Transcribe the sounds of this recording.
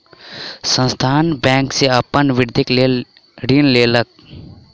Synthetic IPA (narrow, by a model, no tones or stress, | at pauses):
sə̃nst̪ʰaːnbɛ̃ːŋkseapənʋɪɾd̪ʱɪke | ɖinleːlək̚